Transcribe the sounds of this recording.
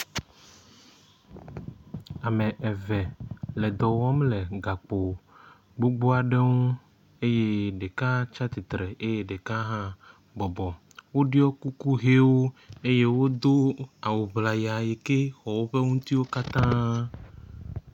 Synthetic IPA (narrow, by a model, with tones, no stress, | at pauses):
a˨me˨ʔɛ˨vɛ˨le˨d̪ɔ˨wɔ˦mle˨ɡa˨k͡po˨ | ɡ͡bo˦ɡ͡bo˦a˨ɖe˦ŋũ˦ | e˦je˦ɖe˨ka˦t͡ʃa˦t̪i˨t̪ɾe˨e˦je˦ɖe˨ka˦ɦã˦ | bɔ˨bɔ˨ | wo˦ɖi˦ɔ˦ku˦ku˦ɦe˦wo˦e˦je˦wo˦d̪o˦a˨wu˨bla˨ja˨je˨ke˦xɔ˨wo˦ɸe˦ŋũ˦t̪i˦wo˦ka˦t̪ã˦